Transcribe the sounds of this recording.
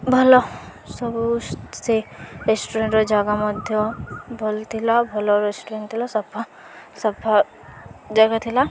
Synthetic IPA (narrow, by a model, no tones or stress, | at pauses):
bʱɔlɔ | sɔbuseɾesʈuɾẽɳʈɾɔd͡ʒaɡamɔd̪ʱjɔbʱɔlt̪ʰilabʱɔlɔɾesʈuɾeɳʈ̚t̪ʰilɔsɔbʱɔ | sɔbʱa | d͡ʒaɡat̪ʰila